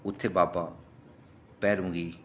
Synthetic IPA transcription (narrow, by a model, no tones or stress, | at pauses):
ut̪ʰːebaːba | pɛːɾũŋɡi